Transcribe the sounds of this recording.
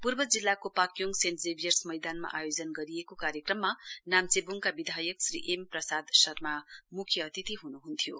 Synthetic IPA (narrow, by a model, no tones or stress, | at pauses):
purbʌd͡zilːakopakjoŋɡsentd͡zebijʌrsmʌjd̪anma̰ʔajod͡zʌnɡʌɾijekokaɾjʌkrʌmːanamt͡sebuŋkabid̪ʱajʌksrḭʔemprʌsad̪sʌrmamukʰjʌːt̪it̪iɦunuɦunt̪ʰijo